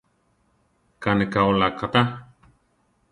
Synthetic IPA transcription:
kanekaolakʰat̪a

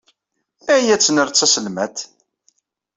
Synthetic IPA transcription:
æjæt͡sːnəɾt͡sːæsəlmæt̪

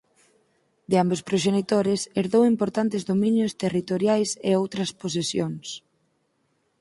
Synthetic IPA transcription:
d̪ɪambospɾoʃenit̪oɾɪseɾðowimpoɾt̪ant̪ɪzðomĩɲjʊst̪erit̪oɾjajseowt̪ɾɐspos̬esjoŋs

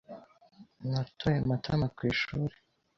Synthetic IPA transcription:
natʰojematʰamakwiːʃuːɾe

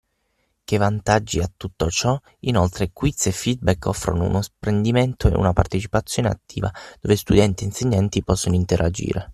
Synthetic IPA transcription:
k̟evːant̪ad͡ʒːiat̪ːut̪ːot͡ʃɔ | inolt̪ɾekwit̪sefːid̪̚bɛkːɔfːɾo̰no̰ṵnospɾend̪iment̪oḛṵnapart̪et͡ʃi̥pat̪sːjoːnea̰t̪ːḭːva̰d̪ovest̪ud̪ɛnt̪ieinseɲːant̪ipɔsːonoint̪eɾʔad͡ʒḭːɾʔe

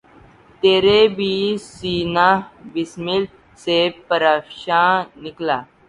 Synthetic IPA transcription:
t̪eɾebisinaʋismil | sepəɾakɕãnikla

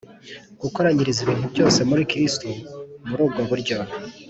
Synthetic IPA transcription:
ɡ̥uko̞ɾaɲiɾiziβiːnhubɟo̞ːse̞muɾikɾistumuɾuːbɡo̞βuɾɟo

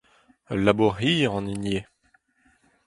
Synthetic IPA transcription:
labuʁiːʁɑ̃ninje

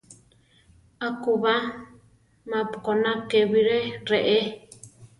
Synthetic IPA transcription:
akuβa | mãpkonãkeβiɾeɾeʔe

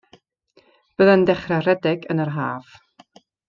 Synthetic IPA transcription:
b̥əðandɛχrarɛdɛɡənərɦa̰ːv̥

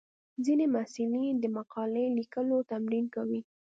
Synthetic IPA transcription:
zinemasɪlid̪əmaqɑlelikəlot̪amɾinkawi

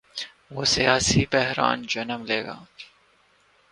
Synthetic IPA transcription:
ʋoːsijaːsibɛɦɾɑ̰ːnd͡ʒɐnəmleːɡa̰ː

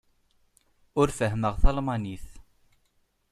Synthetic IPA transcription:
ʊɾfəɦməʁθɑlmɑniθ

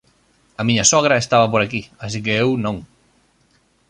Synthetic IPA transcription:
ɐmiɲɐsɔɣ̞ɾɐest̪aβɐpoɾakias̬ik̬eewnõŋ

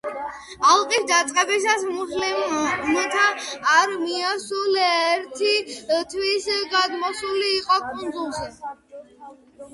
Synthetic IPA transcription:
alˠqʼisd̪at̪sʼqʼɛbisasχlmɛt̪ʰaːɾmiasulɛɾt̪ʰit̪ʰwisɡad̪mɔsuliːqʼɔkʼund̪zulˠʃi

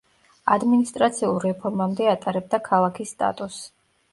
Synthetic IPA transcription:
ad̪minist̪ʼɾat̪sʰiulˠɾɛpʰɔɾmamd̪ɛat̪ʼaɾɛb̚d̪akʰalˠakʰisːt̪ʼa̰t̪ʼus

